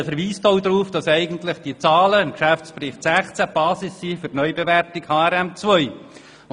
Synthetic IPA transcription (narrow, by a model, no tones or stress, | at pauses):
fəɾʋiːstoʊdɾuːfd̥ɑsɛɪɡəntlɪχd̥iət͡sɑːləɪmkʃæft͡spɾɪχtsæχt͡sæb̥ɑːsɪsːiːfʏtnœʏbevʋæɾtɪkhɑːɛɾɛmt͡svœʏ